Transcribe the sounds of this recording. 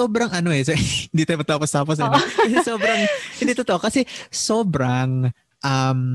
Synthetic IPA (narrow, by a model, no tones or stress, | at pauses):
oːbɾɐŋɐnoʔɛsohɪnd̪it̪ajmɐt̪aːpost̪aːposɐɐsɛsoːbɾɐŋhɪnd̪it̪ot̪oʔokɐsɛsoːbɾaŋ | ʔɐm